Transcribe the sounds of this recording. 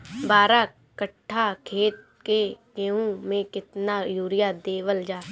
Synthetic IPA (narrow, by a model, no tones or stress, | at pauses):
baːɾa | kəʈʰːakʰeːt̪̚ | keɡeːũmẽkɪt̪najuːɾɪjad̪eːʋəld͡ʒaː